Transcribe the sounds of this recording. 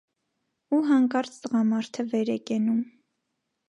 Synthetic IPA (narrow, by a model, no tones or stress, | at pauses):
uɦɑŋkɑɾt͡sʰt̪əʁɑmɑɾt̪ʰəvɛɾɛkɛnum